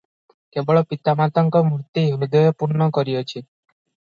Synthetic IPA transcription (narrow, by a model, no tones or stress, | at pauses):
kebɔɭɔpit̪amat̪ɔŋkɔmuɾt̪iɦumid̪ɔjɔpuɾnɔkɔɾiɔt͡ʃʰi